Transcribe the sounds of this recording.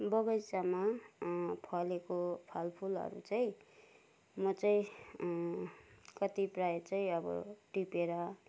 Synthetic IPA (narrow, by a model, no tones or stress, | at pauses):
bʌɡʌjt͡sama | pʰʌlekopʰalpʰulʌ̰ɾṵt͡sʌj̃ | mʌt͡sʌĩ | kʌt̪ipraet͡sʌĩʌbʌ̰ʈipeɾʌ